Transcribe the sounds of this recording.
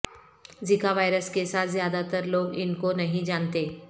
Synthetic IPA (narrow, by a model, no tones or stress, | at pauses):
zikaʋaːɪɾəskesaːt̪ʰzjaːd̪at̪əɾloːɡɪnkonɐɦĩd͡ʒaːnt̪eː